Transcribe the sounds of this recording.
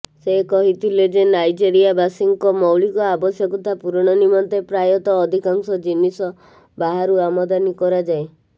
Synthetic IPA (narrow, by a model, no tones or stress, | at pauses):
sekɔɦit̪ʰiled͡ʒenajd͡ʒeɾiabasiŋkɔmɔwɭikɔabɔsjɔkut̪ʰapuɾɔɽ̃ɔnimɔnt̪epɾajɔt̪ɔːd̪ʱikaŋsɔd͡ʒinisɔ | baɦaɾuamɔd̪anikɔɾad͡ʒae